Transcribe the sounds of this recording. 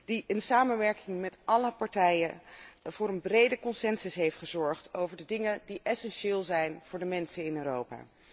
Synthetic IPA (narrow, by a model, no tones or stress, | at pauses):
d̥iʔənsaːmənʋɛɹkɪŋmɛtʔɑləpɑɹtɛjəv̥ʊːɹɾənbrejdəkɔnsɛnsʏsɦejftχəzɔɹχtowvəɹdədɪŋəndiʔɛsɛnʃɪːlˠzɛjnv̥ʊːɹdəmɛnsənɪnøːrowpa̰ː